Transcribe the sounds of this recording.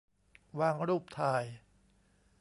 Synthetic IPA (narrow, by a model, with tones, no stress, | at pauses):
waː˧ŋɾuː˥˩p̚t̪ʰaː˧˩j